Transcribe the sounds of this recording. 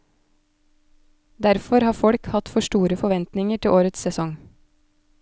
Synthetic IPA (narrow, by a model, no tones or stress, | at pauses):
d̪æɾfɔɾhɑːfɔɽkhɑt̪fɔʃʈuːɾəfɔʋɛnt̪nɪŋəʈʰɪʔoːɾət̪sɛsɔŋ